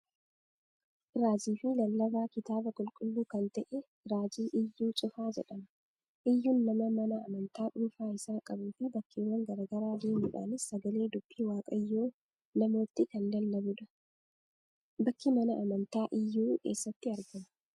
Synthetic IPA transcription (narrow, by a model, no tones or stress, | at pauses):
ɪɾaːd͡ʒiːfɪlɐlːɐbaːkɪt̪aːbɐkʼʊlkʼʊlːuːkɐnt̪ɐʔɛ | ɾaːd͡ʒiːʔɪjːuːt͡ʃʼʊfaːd͡ʒɛ̰ᶑɐmɐ | ʔɪjːuːnːɐmɐmɐnɐːmɐnt̪aːᶑʊlfaːɪsaːkʼɐbuːfɪbɐkːiːwːɐŋɡɐɾɐːɡɐɾaːd̪e̞ːmuːᶑa̰ːnɪsːɐɡɐleːd̪ʊb̥ːiːwaːkʼɐjːoː | nɐmo̞ːt̪ːɪkɐnd̪ɐld̪ɐbʊᶑɐ | bɐkːɪmɐnɐʔɐmɐnt̪aːʔɪjːuːke̞̰ːsːɐt̪ːɪɐɾɡɐmɐ̥